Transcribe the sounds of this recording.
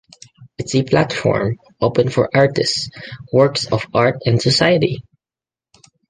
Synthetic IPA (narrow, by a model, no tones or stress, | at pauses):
ɪtsepʰlat̪fɔ̰ɹm | ʔoʊpə̃nfɔɹʔaɹtɪstswɔɹksɔfaɹt̪ɛ̃ndsɔsajəti